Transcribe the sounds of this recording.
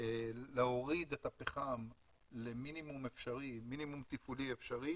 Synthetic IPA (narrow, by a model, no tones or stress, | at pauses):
leoʁid̪et̪apeχam | leminimumefʃaʁiminimumt̪ifuliefʃaʁi